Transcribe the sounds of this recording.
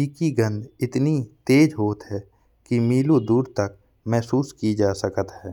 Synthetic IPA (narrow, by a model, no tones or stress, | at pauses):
iːkiɡə̃nd̪ɪt̪nit̪eːd͡ʒɦoːt̪ɦɛː | kimiːlud̪uːɾt̪ɐk | mɛɦsuːskid͡ʒaːsəkət̪ɦɛː